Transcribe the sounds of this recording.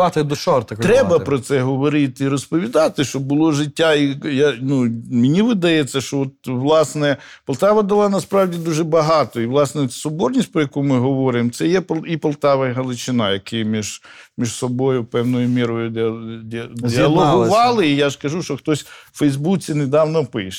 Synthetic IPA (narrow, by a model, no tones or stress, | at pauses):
ɑt̪ɪd̪ɔʃɔrt̪ɐkt̪ɾɛbɐpɾɔt̪sɛɦɔʋɔɾɪt̪ɪiɾɔspɔʋʲid̪ɑt̪ɪʃt͡ʃɔbbʊlˠɔʒɪtʲːaijanumɪnʲiʋɪd̪ɐjɛt͡sʲːɐʃt͡ʃɔɔt̪̚ʋlˠɑsnɛpɐlˠt̪ɑʋɐd̪ɐlˠɑnɐspɾɑwdʲid̪uʒɛbɐɦɑt̪ɔiʋlˠɑsnɛsɔbɔrnʲisʲt̚ʲpɾɔjɐkumɪɦɔʋɔɾɪmt̪sɛjɛpipɐlˠt̪ɑʋɐjɦɐlˠɪt͡ʃɪnɑjɐkɪjmʲiʒmʲiʒsɔbɔjʊpɛwnɔjʊmʲiɾɔjʊd̪dʲd̪ʲɪɐlˠɔɦʊʋɑlˠɪijaʒkɐʒuʃt͡ʃɔxt̪ɔsʲfɛjzbut͡sʲined̪ɑwnɔpɪʃ